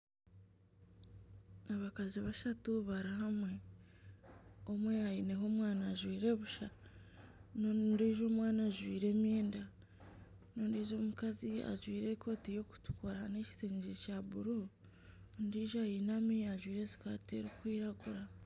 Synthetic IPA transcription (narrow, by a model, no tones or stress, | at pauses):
aβakaziβaʃatuβaɾiɦamwe̞ | o̞mwejajine̞ɦo̞ːmwaːnaʒwiːɾe̞βuʃa | nondiːʒo̞ːmwaːnaʒwiːɾe̞ːmjeːnda | noːndiːʒoːmukazia̰ʒwiːɾe̞kʰo̞ːtijo̞ku̥tu̥koɾaneci̥teːɲd͡ʒicaβuɾo | ndiːʒajinamijaʒwiːɾe̞si̥kaːte̞̰ɾikwiːɾaɡuɾa